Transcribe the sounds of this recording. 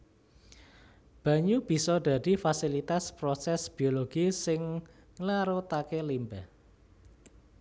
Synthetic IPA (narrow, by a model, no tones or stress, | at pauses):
b̥ä̤ɲub̥i̤sɔɖ̪̥ä̤d̪̥i̤fasilit̪aspɾosɛsb̥ioloɡ̥isɪŋː | laɾot̪akelimbɛh